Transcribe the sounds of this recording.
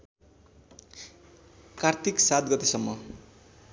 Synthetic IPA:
kart̪ʰiksat̪̚ɡʌt̪esʌmːʌ

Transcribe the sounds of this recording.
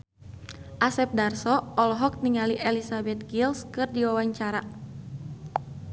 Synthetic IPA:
ʔasɛp̚darsɔɔlɔɦɔk̚niŋaliʔɛlisabɛt̪̚ɡilskɨrdiwawaɲt͡ʃaɾa

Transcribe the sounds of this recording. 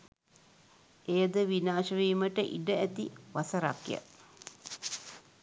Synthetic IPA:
ejəd̪əʋinaːʃəʋiːməʈəʔḭɖəæt̪ḭʋasəɾakjə̰

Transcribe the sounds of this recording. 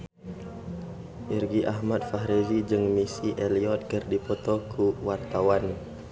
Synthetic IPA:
ʔirɡiʔaɦmat̪̚faɦɾezid͡ʒɨŋmisiʔeliɔt̪̚kɨrdipɔt̪ɔkʰuwart̪awan

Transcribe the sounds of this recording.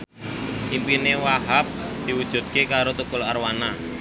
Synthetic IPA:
ʔimpinewaɦap̚d̪̥i̤wud̥ʒ̥ṳt̪̚kekaɾot̪ukʊlarwana

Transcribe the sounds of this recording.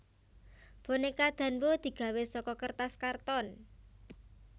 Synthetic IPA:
b̥o̤nekad̪̥a̤nbod̪̥i̤ɡ̥a̤wesɔkɔkərt̪askart̪ɔn

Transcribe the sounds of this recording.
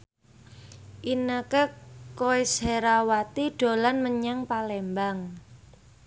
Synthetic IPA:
ʔinəkəkoisheɾawat̪iɖ̥o̤lanməɲaŋpalembaŋ

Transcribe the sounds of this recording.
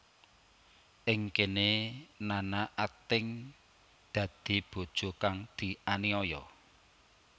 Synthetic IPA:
ʔɪŋkenenanaʔat̪ɪŋ | d̪̥ä̤d̪̥i̤b̥o̤d̥ʒ̥o̤kaŋd̪̥i̤ʔaniɔjɔ

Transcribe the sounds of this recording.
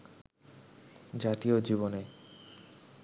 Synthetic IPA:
d͡ʑat̪iod͡ʑibone

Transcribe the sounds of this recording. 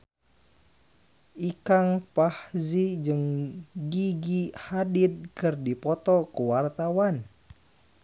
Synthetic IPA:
ʔikaŋpahzid͡ʒɨŋɡiɡihadid̪̚kɨrdipɔt̪ɔkuwart̪awan

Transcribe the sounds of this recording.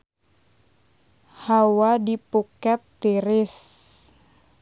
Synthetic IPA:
hawadipukɛt̪ːiɾɪs

